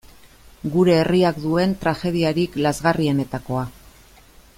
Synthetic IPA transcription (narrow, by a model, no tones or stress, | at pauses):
ɡuɾe̞ːriakd̪ue̞nt̪ɾaxe̞ð̞iaɾiklazɣarie̞ne̞t̪ako̞a